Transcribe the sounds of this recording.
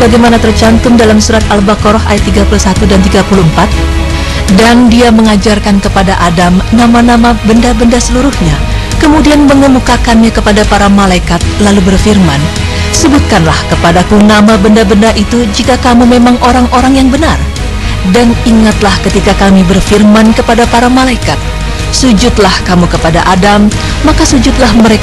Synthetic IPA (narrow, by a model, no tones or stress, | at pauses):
baɡajmanat̪ərt͡ʃant̪ʊmdalamsuɾat̪albakoɾɔha̰jat̪ːiɡapulusat̪udant̪iɡapuluəmpat̪̚ | dandiaməŋad͡ʒarkankəpadaʔadamnamanamabəndabəndasəluɾuhɲa | kəmudianməŋəmukakanɲakəpadapaɾamalaikat̪̚lalubərfirman | səbut̪̚kanlahkəpadakunamabəndabəndaʔit̪ud͡ʒikakamumemaŋʔoɾaŋʔoɾaŋjaŋbənar | daniŋat̪lahkət̪ikakamibərfirmankəpadapaɾamalaikat̪̚ | sud͡ʒʊt̪lahkamukəpada̰ʔadamː | akasud͡ʒʊt̪̚lahməɾek